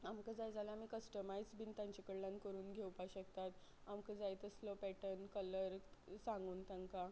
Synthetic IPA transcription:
amkəd͡zajd͡zaləam̤ikəsʈəmajd͡zbint̪ãɲt͡ɕikəɽlãnkəɾuːnɡʱewpaɕəkt̪at̪amkəd͡zajt̪əslɔpɛʈənkələɾsãŋɡuːnt̪ãŋka

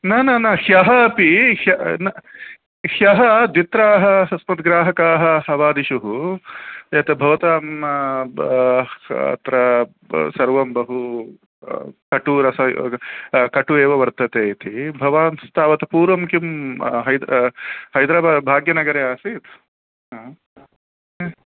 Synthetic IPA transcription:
naːnɐnɐhjɐɦɐːpihjɐnɐ | hjɐɦɐd̪ʋit̪ɾaːɦɐɐsmɐt̪ɡɾaːɦɐkaːɦɐɦɐʋaːd̪iʃuɦu | jɐt̪ɐbʱɐʋɐt̪aːmɐ | ɐ̰t̪ɾɐ | sɐɾʋɐmbɐɦu | kɐʈuɾɐsɐ | kɐʈueːʋɐʋɐɾt̪ɐt̪eːt̪ʰibʱɐʋaːnst̪ʰaːʋɐt̪ɐpuːɾʋɐmkimɦɐjd̪hɐjd̪ɾaːbaːd̪bʱaːɡjɐnɐɡɐɾeːaːsit̪ː

